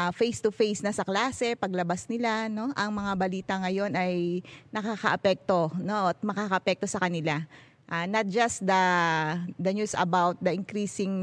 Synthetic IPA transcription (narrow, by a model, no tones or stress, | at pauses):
afejst̪ʊfejsnɐsɐklaːsɛpɐɡlɐbasnɪlano̞ʔɐŋmɐŋabɐliːt̪ɐŋɐjo̞nɐjnɐkaːkɐʔɐpɛk̚t̪o̞no̞ʔɐt̪̚mɐkaːkɐʔɐpɛk̚t̪o̞sɐkɐnɪla | ʔanɐt̪̚d͡ʒɐst̪̚d̪ɐ | d̪ɐnjuːsɐ̰bawt̪̚d̪ɐʔɪŋkɾiːsɪŋ